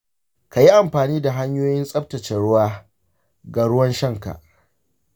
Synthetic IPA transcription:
ka˨ji˦ʔa˨mɸaː˨niː˦da˨ɦa˦ɲjoː˦jɪ˦nsʼɐ˦p̚tɐ˨t͡ʃɛ˨ɽʊ˦waː˦ | ɡaː˨ɽʊ˦wɐ˦nʃɐ˦˨ŋka̰˨ʔ

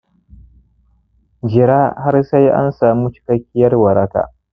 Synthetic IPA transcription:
d͡ʒɪ˨ɾaː˦ha˦rsa˦jʔa̰˦nsaː˨mu˦t͡ʃɪ̥˦kɐ˦kʲːɪ˦jɐ˦rwɐ˨ɾɐ˦ka̰ː˨

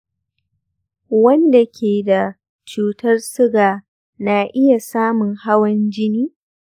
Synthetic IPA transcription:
wɐ˦nda˨kʲʰeː˨da˨ | t͡ʃuː˨tɐ˦rsʊ˦ɡaː˨ | na˨ʔɪ˦ja˨saː˦mʊ˨ŋha˦wɐ˦nd͡ʒɪ˦niː˦

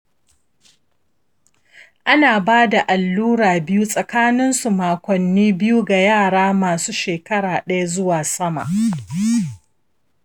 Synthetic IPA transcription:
ʔa˦naː˨baː˦da˨ʔa˨lːuː˦ɽaː˨bɪ˦ju˦sʼɐ˨kaː˦nɪ˦nsu˨maː˨kʷɔ˨nːiː˦bɪ˦ju˦ɡa˨jaː˦˨ɽaː˦maː˨suː˦ʃeː˨kɐ˦ɽaː˨ɗɐ˦ja˦zʊ˦waː˨sɐ˦ma̰˨ʔ

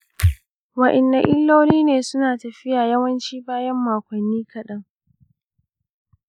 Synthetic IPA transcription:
wɐ˨ʔɪ˨nːa˨ʔɪ˦lːoː˦niː˦neː˨sʊ˦naː˨tɐ˨ɸɪ˦jaː˨jɐ˦wɐ˦nt͡ʃiː˦baː˦jɐ˦mːaː˨kʷɐ˨nːiː˦kɐ˨ɗɐ˦ŋ

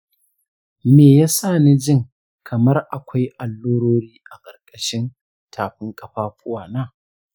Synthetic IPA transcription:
meː˨jaː˦saː˦˨ni˦d͡ʒɪ˦˨ŋ | kʰɐ˨mɐ˦rʔa̰˨kʷa˦jʔa˨lːoː˦ɽoː˦ɽiː˦ʔa˨kʼɐ˨rkʼɐ˨ʃɪ˦n | tʰaː˨ɸɪ˦ŋkʼɐ˨ɸaː˦ɸʊ˦waː˨naː˦˨

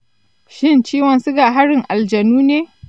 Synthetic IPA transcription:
ʃɪ˦nt͡ʃiː˦wɐ˨nsʊ˦ɡaː˨ɦa˦ɽɪ˨ŋʔa˨ld͡ʒɐ˨nuː˦neː˦

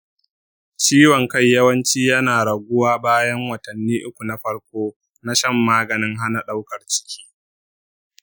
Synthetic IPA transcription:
t͡ʃiː˦wɔ˨ŋkɐ˦˨jjɐ˦wɐ˦nt͡ʃiː˦jɐ˦naː˨ɽɐ˨ɡʷʊ˦waː˦baː˦jɐ˦ŋwɐ˨tɐ˨nːiː˦ʔʊ˦kʷu˨na˦ɸɐ˦ɽkʷoː˦ | na˦ʃɐ˦˨mːaː˦ɡɐ˨nɪ˦ŋɦa˦na˨ɗa˦wkɐ˨rt͡ʃɪ̥˦kʲi̥ː˦

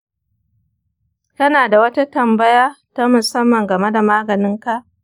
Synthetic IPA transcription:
tɐ˦naː˨da˨wɐ˦ta˦tɐ˨mbɐ˦jaː˦ta˦mʊ˨sɐ˦mːɐ˨ŋɡɐ˨me˦da˨maː˦ɡɐ˨nɪ˦ŋka˦ʔ

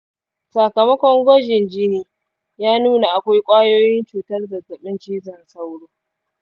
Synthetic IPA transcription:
sa˨kɐ˨mɐ˦kʷɔ˦ŋɡʷɔ˦d͡ʒɪ˨nd͡ʒi˦niː˦ | jaː˦nuː˦na˨ʔa˨kʷa˦jkʷʼaː˦joː˦jɪ˦nt͡ʃuː˨tɐ˦rzɐ˨tːɐ˨ɓɪ˦nt͡ʃiː˦zɐ˨nsɐ˦wɽoː˦

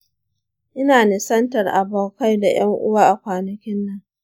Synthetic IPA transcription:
ʔɪ˦naː˨nɪ˨sɐ˦ntɐ˨rʔa˨boː˨ka˦jda˨j̰ɐ˦ŋʔʊ˦waː˦ʔa˨kʷaː˨nɐ˨kʲɪ˦nːɐ˦ŋ

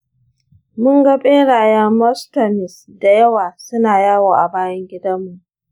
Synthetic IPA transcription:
mʊ˦ŋɡɐ˦ɓʼeː˦ɽaː˨jɐ˦mɔ˦stɐ˨mɪ˨s | da˨jɐ˦waː˨sʊ˦naː˨jaː˦woː˨ʔa˨baː˦jɐ˦ŋɡʲɪ˦dɐ˦mːu˨ʔ

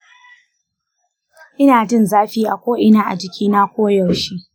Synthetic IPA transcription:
ʔɪ˦naː˨d͡ʒɪ˦nzaː˦ɸiː˦ʔa˨kʷoː˦ʔɪ˦naː˦ʔa̰˨d͡ʒɪ˦kʲiː˦na˦kʷoː˦jɐ˨wʃi˦ʔ

